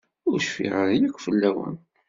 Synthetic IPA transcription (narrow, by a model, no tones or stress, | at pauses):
ʊɾʃfḭʁəðijækʷːfəlːæwə̰n